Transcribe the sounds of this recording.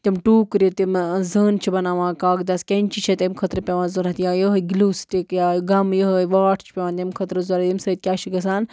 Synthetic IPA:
t̪imʈuːkɾit̪imzəːnt͡ʃʰibɐnaːʋãːkaːɡd̪ɐskʲenʲt͡ʃʰit͡ʃʰet̪ʲemkʰɐt̪ɾəpʲeʋãːnzoɾat̪jãːjəɦɡiluːst̪ikjaːɡɐmjəɦəʋaːʈʰt͡ʃʰpʲeʋaːnt̪emkʰɐt̪ɾəzoɾɐt̪imsɐit̪̚kʲjaːt͡ʃʰiɡɐsaːn

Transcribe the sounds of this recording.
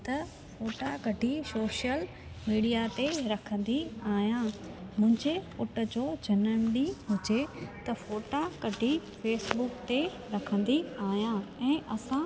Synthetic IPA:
t̪ɐ | foːʈakɐɖʱisoːʃjəl | miːɖijat̪eɾɐkʰə̃n̆d̪iaːɦijãmʊ̃ɦɪ̃ɲd͡ʑeʊʈə̆d͡ʑoːd͡ʑʱɐnəɽ̃ɗĩɦʊd͡ʑet̪ɐfoːʈakɐɖʱifeːsbʊkt̪e | ɾɐkʰə̃n̆d̪iaːɦjãɛ̃ːʔɐsã

